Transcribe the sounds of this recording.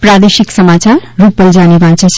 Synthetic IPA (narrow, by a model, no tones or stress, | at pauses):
pɾad̪eʃiksəmat͡ʃaɾɾupəld͡ʒanibʱãnt͡ʃʰʌt͡ʃʰ